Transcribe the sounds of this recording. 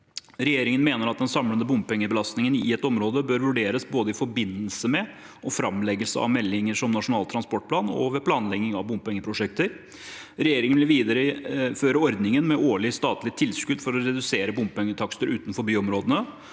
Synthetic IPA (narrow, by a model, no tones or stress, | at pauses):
ɾɛjeːɾɪŋənmeːnəɾɑt̪̚d̪ɛnsɑmlənəbʊmpɛŋːəbəlɑst̪nɪŋənɪ̰ɛt̪ɔmɾoːd̪əbøːɾʋʉɖeːɾəsboːd̪əɪfɔɾbɪnːəlsəmɛ | ʔɔfɾɑmlɛɡəlsəɑ̰ʋmɛlːɪŋəʂɔmnɑʂʊnɑːlt̪ʰːɾɑnspɔʈ̚pʰlɑːnɔ̰ʋɛːpʰlɑːnlɛɡɪŋɑʋbʊmpɛŋːəpʰɾʊʂɛk̚t̪əɾ | ɾɛjeːɾɪŋənʋɪlʋiːd̪əɾəføːɾəɔɾd̪nɪŋənmɛʔoːɭɪst̪ɑːt̪lɪt̪ʰɪlskʉd̪fɔɾɔɾɛd̪ʉseːɾəbʊmpɛŋːət̪ʰɑkst̪əɾʔʉːt̪nfɔɾbyːɔmɾoːd̪ənə